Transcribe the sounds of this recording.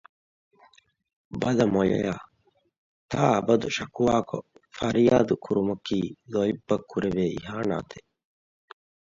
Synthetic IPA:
bɐd̪ɐmojɐ̰jaː | t̪ʰaːɐbɐd̪uʃɐkuʋaːko̰fɐɾjaːd̪ukʰuɾumɐkiːlojibːɐkʰːuɾeʋeːḭɦaːna̰ːt̪ʰe

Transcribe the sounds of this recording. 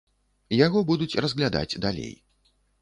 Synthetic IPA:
jaɣɔbud̪ut͡sʲrɐzɣlʲad̪a̰d͡zʲd̪alʲḛj

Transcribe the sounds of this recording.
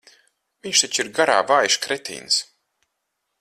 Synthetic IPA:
viɲʃt̪ɛt͡ʃiɾɡaɾa̰ːvaːjʃkɾɛt̪ʰḭːns

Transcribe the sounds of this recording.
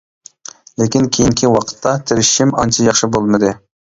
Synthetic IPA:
lekʲinkʲʰejiŋkʲʰiwɑqʰə̥t̪ʰːɑt̪ʰɪɾɪʃimɑnt͡ʃʰɑjɑχʃɪbolˠmɨd̪ɨ

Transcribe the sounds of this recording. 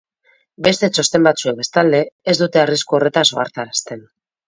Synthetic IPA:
be̞st̪e̞t͡ʃo̞st̪e̞mbat͡sue̞mbe̞st̪ald̪e̞ːzd̪ut̪e̞ariskuo̞re̞t̪aso̞̰a̰ɾt̪aɾast̪e̞n

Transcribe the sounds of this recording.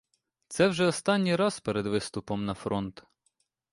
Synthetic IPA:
t̪sɛwʒɛɔst̪ɑnʲːijɾɑzpeɾed̪ʋɪst̪ʊpɔmnɐfɾɔnt̪

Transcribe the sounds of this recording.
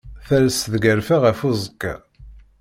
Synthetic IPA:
θæɾsðɡæɾfæʁæfuzˤəkːa̰

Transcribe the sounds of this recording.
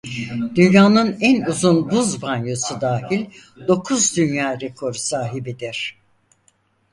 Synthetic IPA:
d̪̥ynjaːnɯnænuzunbuzbanjosud̪aːhilʲ | d̪o̞kʰuzd̪ynjaːɾekʰo̞ɾsaːɦibid̪iɾ̥

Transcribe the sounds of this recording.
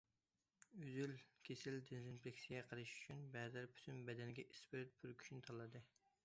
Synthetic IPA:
yzylkʲʰesɪld̪ɪnzɪnplekʲsijɛqʰəlˠɨʃy̥t͡ʃʰynbɛzælpʰy̥t̪ʰynbɛd̪ɛnɪɡʲɛʔisbɪɾɪt̪̚byɾkʲʰy̥ʃnɪt̪ʰɑlˠːɨd̪ɨ

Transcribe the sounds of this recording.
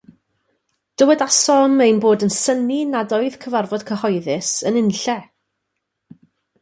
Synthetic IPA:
d̥əwɛdasɔmejnboːdənsəninadɔɨð̥kʰəvarvɔd̥kʰəhɔjðɪsənɪnɬɛ

